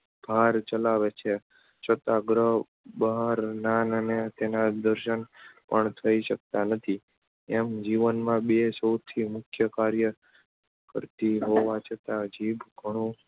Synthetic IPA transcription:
b̥ʱaɾt͡ʃəlaʋet͡ʃʰe | t͡ʃʰət̪aɡɾə | bəɦaɾnanənet̪enad̪əɾʃənpəɳt̪ʰəiʃək̚t̪anət̪ʰi | emd͡ʒiʋənmãbesəwt̪ʰimʊkʰjəkaɾjə | kə̰ɾt̪iɦoʋat͡ʃʰət̪ad͡ʒibɡʱəɽ̃ũ

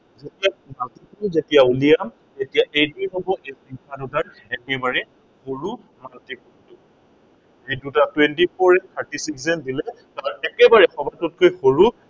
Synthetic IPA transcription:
zetijamatikzetijaulijam | tetijaʔejtijɦobɔʔejsikʰadutaɹ | ɛkibaɹɛ | xoɹu | matikutʊ | ejdutatwɛntipʰɔɹɛtʰaɹtisiksɛndilɛ | taɹɛkɛbaɹɛxɔbʱatut̚kʰojxoɹu

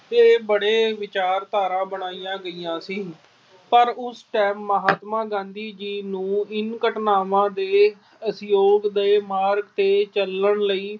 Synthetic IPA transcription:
eːbəɽeːʋɪt͡ʃaːɾt̪aːɾãːbəɽaːijãːɡəiːjãːsiː | pəɾʊsʈɛːmːəɦaːt̪mãːɡãːnd̪iːd͡ʒiːnũːɪnkəʈnaːʋãːd̪eː | əsjoːɡd̪eːmaːɾɡt̪eːt͡ʃələɳləiː

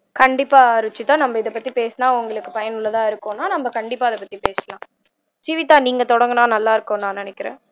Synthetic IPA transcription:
kɐɳɖɪpːaːɪɾɯt͡ʃːɯt̪ːãːnɐmbɐɪðɐpːɐt̪ːipeːsnaːʊŋɡɐɭɯkːɯpɐjɐnɯlːɐt̪ãːɪɾɯkːõnaːnɐmbɐkɐɳɖɪpːaːɪðɐpːɐt̪ːipeːslãː | t͡ʃiʋɪt̪ːaːniːŋɡɐt̪ɔɽɐŋɡɐnãːnɐlːaːɪɾɯkːõnãːnɪnɛkːɪɾḛ̃ː

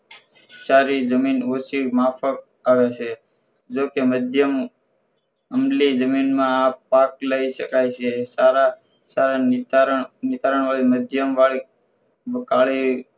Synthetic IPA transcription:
t͡ʃaɾid͡ʒəminot͡ʃimafʰək̚ | aʋet͡ʃʰe | d͡ʒokeməd̪ʱjəm | əmlid͡ʒəminmãːpːak̚ləiʃəkajt͡ʃʰesaɾa | saɾa | nɪt̪aɾəɳʋaɭiməd̪ʱjəmʋaɭi | əkaɭi

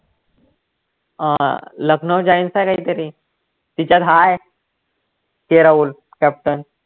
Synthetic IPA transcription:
ləknəd͡ʑainsajkaɦiːt̪əɾi | t̪it͡ɕad̪ʱae | keɾaul | kɛp̚ʈən

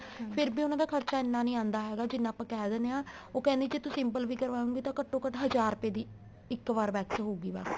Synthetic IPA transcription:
pʰɪɾbiːʊnãːd̪aːkʰəɾt͡ʃaːɪnːãːnĩːãːnd̪aːɦɛːɡaːd͡ʒɪnːãːpãːkɛːd̪ɛːneːãːoːkɛ̃ːnd̪eːd͡ʒeːt̪ʊsɪmpəlʋiːkəɾʋaːõːɡiːt̪ãːkəʈːõːkəʈɦəd͡ʒaːɾpeːd̪iː | ɪkːʋaːɾbɛːksɦoːɡiːba̰ːk

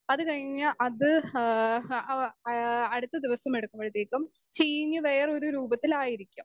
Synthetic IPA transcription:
ɐðɨkɐɻiɲːaʔɐðɨ | ɐɽut̪ːɐd̪iʋɐsɐmeɽukːumbɐɻt̪ːeːkːɐm | t͡ɕiːɲːɨʋe̞ːro̞ɾuɾuːbɐt̪ːilaːjiɾikʲːum

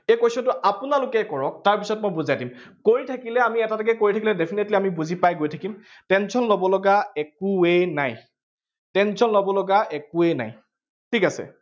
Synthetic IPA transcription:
ejkojsɔntʊʔapʊnalʊkɛkɔɹɔk̚taɹpisɔt̚mojbuzajdimkoɹitʰakilɛamiɛtatakɛkoɹitʰakilɛdepʰinetliamibuzipajɡojtʰakim | tɛnsɔnlobɔlɔɡaɛkuenaj | tɛnsɔnlobɔlɔɡaʔɛkuena̰j | tʰikasɛ̰

